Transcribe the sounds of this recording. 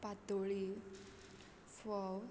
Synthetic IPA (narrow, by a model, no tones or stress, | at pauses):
pat̪oɭi | fɔw